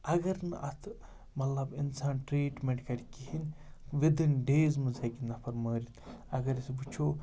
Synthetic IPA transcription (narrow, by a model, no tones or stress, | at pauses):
ɐɡɐɾnɨʔɐ̰t̪ʰ | mɐt̪lɐbinsaːnʈɾiːʈmeɳʈkɐɾʲkihin | ʋid̪inɖeːzmɨzɐːkinɐpʰɐɾməːɾit̪ɐɡɐɾisbut͡ʃʰoː